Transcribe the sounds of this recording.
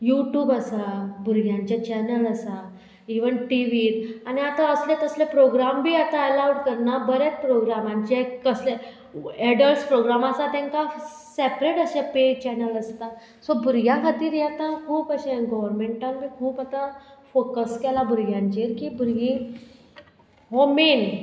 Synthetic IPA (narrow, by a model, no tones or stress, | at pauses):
juʈjuːbəsabʱuɾɡjãɲt͡ɕjat͡ɕɛnələsa | iʋəɳʈiʋiːɾaniat̪ãəslet̪əslepɾoɡɾambʱiːat̪aəlawɽkəɾnabəɾet͡s̚pɾoɡɾamãɲt͡ɕekəsle | ɛɖəlʈspɾoɡɾamasat̪ãŋka | sepɾeʈəɕẽpet͡ɕɛnələst̪a | sɔbʱuɾɡjakʰat̪iːɾjɛt̪akʰuːpəɕẽɡɔʋəɾmẽɳʈãnbʱiːkʰuːpat̪ãfokəskɛlabʱuɾɡjãɲt͡ɕeɾkiːbʱuɾɡĩː | ɦomen